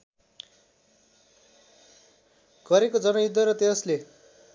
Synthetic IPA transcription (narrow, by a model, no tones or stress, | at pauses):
ɡ̥ʌɾekod͡zʌnʌjud̪ʱːʌɾʌt̪esle